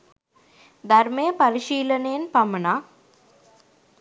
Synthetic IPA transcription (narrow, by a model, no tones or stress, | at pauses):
d̪ɐrmejəpaɾiʃiːlənejenpamɐna